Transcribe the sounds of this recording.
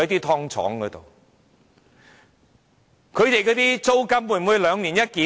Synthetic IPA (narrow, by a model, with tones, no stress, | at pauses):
t̪iː˥t̪ʰɔː˥ŋt͡sʰɔ̰ː˨˥ŋkɔː˨˧˥t̪o̰˨˩w | kʰɵ˨˧ɥt̪e˨jkɔː˨˥t̪iː˥t͡so˥wkɐ˥mwu˧jm˨wuː˨˧jlœː˨˧ŋniː˨˩njɐ˥t̚kiː˨˦